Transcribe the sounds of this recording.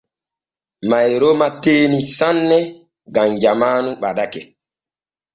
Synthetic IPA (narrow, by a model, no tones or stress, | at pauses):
majɾomateːnisanːɛ | ɡamd͡ʒamaːnuɓaɗakɛ